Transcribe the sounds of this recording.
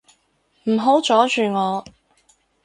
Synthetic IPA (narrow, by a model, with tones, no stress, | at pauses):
m̩˨˩ɦo˨˥wt͡ʃɔː˨˥t͡ʃyː˨ŋɔː˨˧